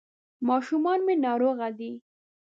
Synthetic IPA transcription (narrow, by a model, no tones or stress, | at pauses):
mɑʃumɑnmenɑɾoɣad̪i